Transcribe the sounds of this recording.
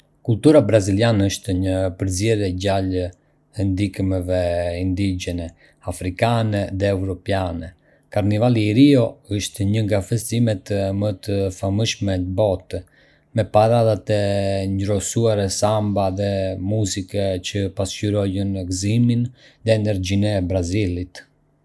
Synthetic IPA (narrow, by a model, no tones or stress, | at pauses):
kult̪uɾabɾazilianəʃt̪ɲəpəɾzɛɾɛɟal | ɛnd̪ikmɛvɛind̪iɟɛnɛ | afɾikanɛðɛːvɾɔpjanɛ | kaɾnivaliɾiɔəʃt̪ɲəŋɡafɛst̪imɛt̪mət̪əfaməʃmɛbɔt̪ | mɛpaɾaðat̪ɛnd͡ʒɾɔsuaɾɛsambaðɛmuzikɛt͡ɕəpascyɾɔjənɛkziminðɛːnɛɾd͡ʑinɛbɾazilit̪